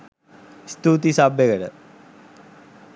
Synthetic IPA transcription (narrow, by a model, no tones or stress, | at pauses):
st̪uːt̪isabjeɡəʈə